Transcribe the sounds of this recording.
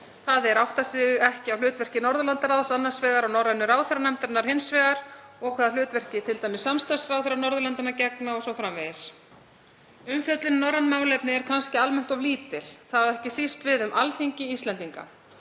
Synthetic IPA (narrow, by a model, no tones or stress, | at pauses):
θaðɛɾawht̪asɪːʏɛhcɪawlʏːt̪vɛr̥cɪnɔɾðʏlant̪aɾaðasanːḁsvɛːɣaɾawnɔɾɛnːʏɾaːwθɛɾanɛm̥t̪ʏɾnːaɾ̥hɪnsvɛːɣaɾ̥ɔɣkʰvɛːðalʏːt̪vɛr̥cɪt̪ʰɪlt̪ajmɪsːamst̪asɾawθɛɾanɔɾðʏlant̪ɪnacɛk̚naɔsɔfɾamvɛðɪs | ʏmfjœt̪lɪnnɔɾanmaːwlɛpnɪɛɾkʰanscɪalmɛn̥t̪ɔvliːt̪ɪl̥θaðɛhcɪsist̪vɪðʏmʔalθiɲcɪist̪lɛnt̪iŋka̰